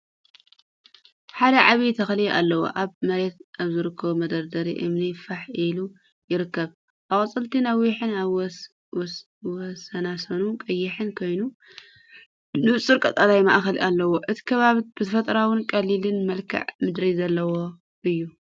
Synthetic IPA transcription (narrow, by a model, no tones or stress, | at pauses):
ħad̪ɐʕaβit̪ʰɐxɐliʔa̰lːɐwo̰ʔaβmɐɾet̪̚ʔaβzɨɾɨkʰːɐβumɐd̪ɐɾd̪ɐɾiʔɨmnifaħʔilu | jɪɾɨkːɐβ | ʔakʼɐt͡sʼɨlt̪ʰinɐwiħɨna | wɔsɐnasɐnukʼɐjːɪħɨnkʰo̞jnu | nɨβt͡sʼɨɾkʼɐt̪ʼɐlajmaʔxɐlʔalːɐwoʔɨt̪ʰi̥kʰɐβaβbɨt̪ʰɐfɐt̪ʼɐɾawɨnkʼɐlːilɨnmɐlkʰɐ̰ʕmɨd̪ɾizɐlːɐwo̞ | ʔɨjːu